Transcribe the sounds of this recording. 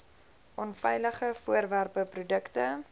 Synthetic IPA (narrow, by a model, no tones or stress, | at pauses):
ʔɔnfɛjləχəfuərværpəprudəktə